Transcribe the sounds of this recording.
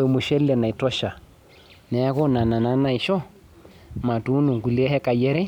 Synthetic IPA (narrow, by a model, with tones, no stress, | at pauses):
ɛ˨mu˨ʃɛ˦llɛ˨na˨i˨tɔ˦ʃa˨ | nɛ˨a˦ɣɔ˦na˨na˨na˦na˨i˨ʃɔ˦ | ma˨tu˦nu˨ŋɡu˨li˦ɛ˦hɛ˦ka˨jɛ˦ɾɛ˦